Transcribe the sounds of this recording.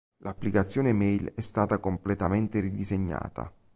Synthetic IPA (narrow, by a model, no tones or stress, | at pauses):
lapːlikat̪sːjoːnemɛjlɛst̪aːt̪akomplet̪ament̪eɾid̪izeɲːa̰ːt̪a̰